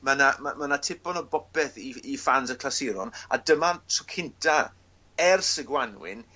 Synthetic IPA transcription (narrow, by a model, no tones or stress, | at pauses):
manamamanatʰɪpɔnɔbɔpɛθiifansəkʰlˠasɪɾɔ̰na̰dəmatʰʊkʰɪntʰa | ɛrsəɡwanwɪ̰n